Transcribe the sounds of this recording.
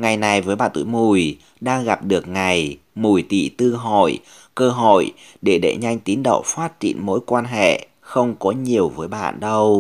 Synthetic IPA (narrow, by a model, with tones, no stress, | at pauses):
ŋa˨˩jna˨˩jvəː˨˦jɓa̰ː˧˨nt̪ɨ̰˧˨jmu˨˩j | ɗaː˧ŋɣa˨˩p̚ɗɨ˨˩ək̚ŋa˨˩j | mu˨˩jt̪ḭ˧˨t̪ɨ˧ɦo̰˧˨j | kəː˧ɦo̰˧˨j | ɗe˧˩ɗḛ˧˩ɲa˧jŋ̟t̪i˨˦nɗə̰˧˨wfaː˦˥t̚t͡ɕḭ˧˨ənmo̰˧˥jkwaː˧nɦḛ˧˨ | xə˧wŋ͡mkɔ˨˦ɲi˨˩əwvəː˨˦jɓa̰ː˧˨nɗə˧w